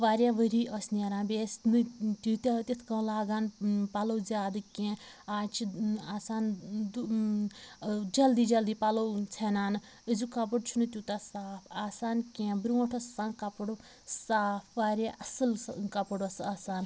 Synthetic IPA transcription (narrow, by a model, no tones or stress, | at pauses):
ʋaːɾjaʋəɾiːɐsnaɾãːbeːsnɨt̪ut̪ʲat̪ʲit̪ʰkɐ̃ːlaːɡaːnpalɐwzʲaːd̪ɨkʲẽ | aːt͡ʃʰiaːsaːnd̪ | d͡ʒɐld̪iːd͡ʒɐld̪ipɐlowt͡sʰenaːnɨ | əzukɐp̬əɽt͡ʃʰunɨt̪ʲjut̪asaːpʰaːsaːnkʲẽːbɾiwɐ̃ʈʰɐsaːnkɐpəɽo | saːpʰʋaːɾʲja̰ʔɐsɨlkɐpəɽsaːsaːn